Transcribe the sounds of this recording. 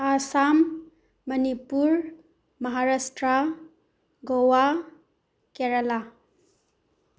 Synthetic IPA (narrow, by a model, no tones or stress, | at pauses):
asamː | ɐnipuɾ | mɐɦaɾasʈɾa | ɡowa | keɾala